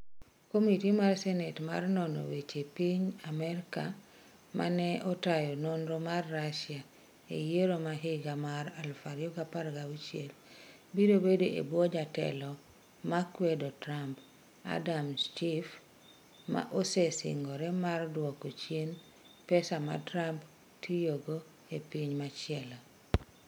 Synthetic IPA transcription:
komitimarsɛnɛtma̰rnɔnɔ̰wet͡ʃepiɲamɛɾka | mʔa̰nɛʔɔtajɔnonɾomarːaʃja | ḛjeɾomaɦɪɡamaɾalfaɾjɔɡapaɾɡawit͡ʃjel | biɾobedoʔḛbwɔd͡ʒatɛ̰lɔ | makwedotɾamp | a̰damt͡ʃif | ma̰ʔosesɪ̰ŋɡɔɾɛmardwɔkot͡ʃjen | pɛsama̰tɾamp | tʰijoɡo | epiɲmat͡ʃɪɛla

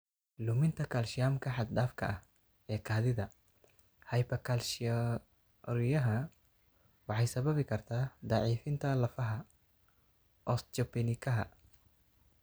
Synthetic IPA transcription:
lʊmɪnt̪ʰɐkʰɐːlʃɪjaːmkʰɐħɑd̪ɖaːfkʰɐ̰ʔɐh | ɛːkʰaːðɪðɐ | hɐjpɐkʰɐlʃ | ɾɪjɐɦɐ | wɑħɑjsɐβɐβɪkʰɐrt̪ʰaːd̪ɑʕiːfɪnt̪ʰɐlɐfɐɦɐ | ʔɔst͡ʃɐpɛnɪkʰɐɦɐ̰

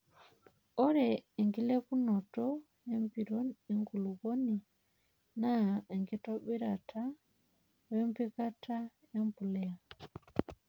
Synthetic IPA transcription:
ɔɾɛɛŋɡilɛpunɔtɔ | ɛmpiɾɔɛŋɡuluɣɔni | naɛŋɡitabɛɾatʰa | wɛmpikatʰa | ɛmpulɛa

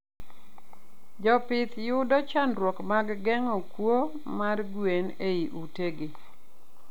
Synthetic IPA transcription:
d͡ʒɔpɪt̪jʊdɔt͡ʃanɾwɔkmaɡɡɛŋɔkwo | marɡwen | eiʔuteɡɪ

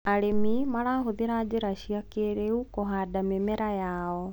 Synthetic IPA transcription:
aɾemimaɾaːɦoðeɾaːd͡ʑeɾaɕiakeɾeukoɦadamemɛɾajaːɔ

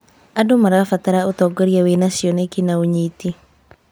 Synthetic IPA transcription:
adomaɾafat̪aɾaot̪ɔɡoɾjawenasjɔnekinaoɲit̪i

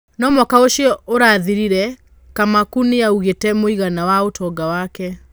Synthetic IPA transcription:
nɔmɔkaoʃjɔʔoɾaːðiɾiɾɛ | kamakuneauɣetɛmoiɣanawaotʰɔɡawakɛ

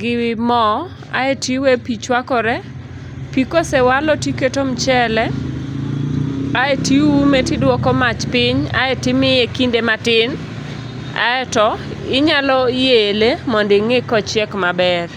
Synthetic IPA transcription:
ɡɪwɪmɔ | a̰etiwepit͡ʃwakɔɾɛ | pikosɛwalɔtiketomt͡ʃɛlɛ | aetiwumetidwɔkɔmat͡ʃpɪɲa̰ɛtɪmɪjekindematɪn | a̰ɛtɔɪɲalɔjelemɔndeŋekɔt͡ʃɛkmabɛr

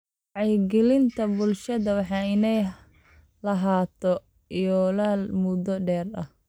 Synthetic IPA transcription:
ʕɑjɡɪlɪnt̪ʰɐbʊlʃɐðɐwɑħɑːɪnɛj | lɐɦaːt̪ʰɔ | ijɔlaːlmʊd̪ɔɖɛːrɐh

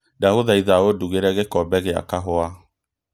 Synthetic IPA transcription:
dahoðaiðaoduɣeɾɛɣekɔbɛɣea̰kaɦɔa

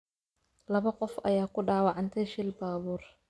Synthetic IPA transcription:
lɐβɐqɔfɐ̰jaːkʰʊɖaːwɑʕɑnt̪ʰɛʃɪlbaːβuːr

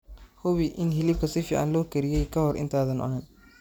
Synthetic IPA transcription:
hʊβiʔɪnɦɪlɪb̚kʰɐsɪfɪ̰ʕa̰nlɔːkɐɾɪjɛjkʰɐhɔɾʔɪ̰nt̪ʰaːðɐnʔɔ̰nɐn

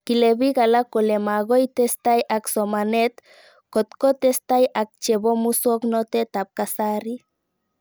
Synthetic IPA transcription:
kileβiɣalakolemaɣojt̪est̪ajʔaksomanet̪ | kot̪kot̪est̪ajak̚t͡ʃeβomusoknot̪et̪ap̚kasaɾi

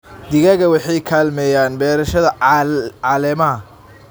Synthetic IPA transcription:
d̪ɪɣɐɣɐwɑħɑjkʰaːlmɛːjaːnbɛːɾɐʃɐðɐʕɑːlɛmɐɦɐ

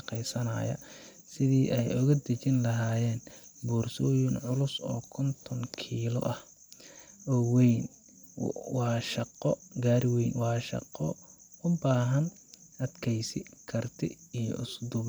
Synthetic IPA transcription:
qɛjsɐnɐ̰jɐ̰ | sɪðiːʔɛjʔʊɣɐd̪ɐt͡ʃɪnlɐɦaːjɛːnbuːrsɔːjɪnʕʊlʊsɔ̰ːkʰɔnt̪ʰɔŋkʰiːlɔ̰ʔɐh | ɔːwɛjn | wɑːʃɐqɔɡaːɾɪwɛjnwɑːʃɑ̰qɔʊbaːɦɐn | ʔɐd̪kʰɛjsɪkʰɐrt̪ʰɪijɔ̰ʔʊsd̪ʊ

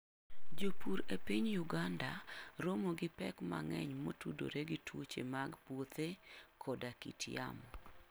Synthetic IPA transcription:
d͡ʒopuɾepiɲjuɡandaɾomoɡɪpɛ̰kma̰ŋɛ̰ɲmotudo̰ɾeɡitwot͡ʃemaɡpwot̪ʰekʰɔdakḭtʰja̰m

